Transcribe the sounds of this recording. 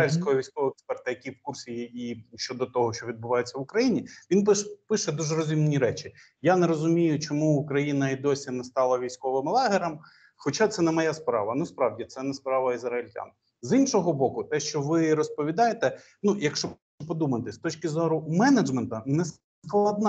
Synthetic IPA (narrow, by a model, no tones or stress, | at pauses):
ilʲsʲkɔɦɔʋʲijsʲkɔʋɔɛkspɛrt̪ɐjɐkʲiwkursʲijiʃt͡ʃɔd̪ɔt̪ɔɦɔʃt͡ʃɔʋʲid̪̚bʊʋɑjet͡sʲːɐʋʊkɾɐjinʲiʋʲinpʃpɪʃɛd̪uʒɛɾɔzʲimnʲiɾɛt͡ʃʲɪ | janeɾɔzʊmʲijʊt͡ʃɔmuːkɾɐjinɐid̪ɔsʲinɛst̪ɑlˠɐʋʲijsʲkɔʋɪmlˠɑɦɪɾɐm | xɔt͡ʃat̪sɛnɛmɔjaspɾɑ̰ʋɐnɐspɾɑwdʲit̪sɛnɛspɾɑʋɐizɾɐɪlʲtʲa̰n | zinʃɔɦɔbɔkʊt̪ɛʃt͡ʃɔʋɪɾɔspɔʋʲid̪ɑjet̪ɛ | nujɐkʃt͡ʃɔ | ʊpɔd̪umɐt̪ɪst̪ɔt͡ʃkʲɪzɔɾʊmɛnɐd͡ʒmɛnt̪ɐnɛ | sklˠɐd̪nɑ